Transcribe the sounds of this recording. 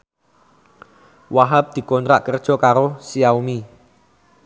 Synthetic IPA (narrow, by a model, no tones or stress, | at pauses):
waɦap̚d̪̥i̤kɔnt̪ɾaʔkərd̥ʒ̥ɔ̤kaɾosiaumi